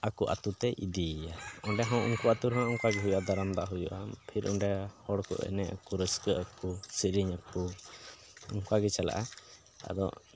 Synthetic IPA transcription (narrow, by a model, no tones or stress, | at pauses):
akuʔa̰t̪ut̪ɛʔid̪iaɔɳɖɛɦɔ̃ʔuŋkuat̪uɾɔnaʔɔŋkaɡɛɦujʔad̪aɾamd̪aʔɦujṵʔapʰiɾʔɔɳɖɛhɔɽkɔ̰ʔɛ̰nɛʔkuɾəskəəkusiɾiɲaku | ɔŋkaɡɛt͡ʃala̰ʔa | a̰d̪ɔ̰ʔ